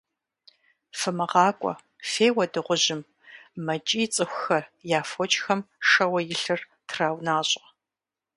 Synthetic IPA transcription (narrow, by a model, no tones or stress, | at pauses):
fɨmɐʁɑːkʷʼɔ̰ | feːwɐdɨʁʷʊʑɪm | mɐt͡ʃʼiːt͡sʼɨxʷxɐrjaːfɔt͡ʃʼxɐmʂɐwɐjɪɬɨr | tʰraːwnaːɕʼ